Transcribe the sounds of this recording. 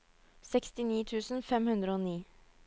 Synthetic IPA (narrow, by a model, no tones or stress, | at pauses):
sɛkst̪ɪniːt̪ʰʉːsn̩fɛmhʉnd̪ɾəoːniː